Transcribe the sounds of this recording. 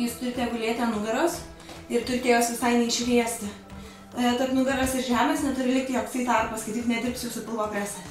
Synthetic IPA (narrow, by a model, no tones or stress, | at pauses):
juːst̪ʊɾʲɪt̪ʲɛjɡʊlʲeːt̪ʲɛnʊɡɐɾoːs | ɪrt̪ʊɾʲɪt̪ʲɛjoːsʋʲɪsɐɪnʲɛɪʃʲʋʲiɛsʲt̪ʲɪ | t̪ɐrpnʊɡʲɐɾosɪɾʒʲæːmʲeːsnʲɛt̪ʊɾʲɪlʲɪk̚t̪ʲɪjoːkst̪ʲɐɪt̪ɐrpɐskʲɐɪt̪ʲɪknʲɛd̪ʲɪɾrp̚sʲjuːsʊpʲɪlˠboːpʲɾʲæːsʲɛ